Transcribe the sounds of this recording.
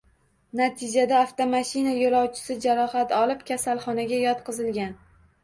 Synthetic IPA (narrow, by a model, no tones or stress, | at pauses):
nat̪ʰɪd͡ʒad̪aːft̪omaʃɪnajolˠɒwt͡ʃʰɪ̥sɪd͡ʒaɾɒhat̪ɒlˠɪpkʲʰasalˠχɒnaɡʲajɒt̪qɨzɪlɡʲan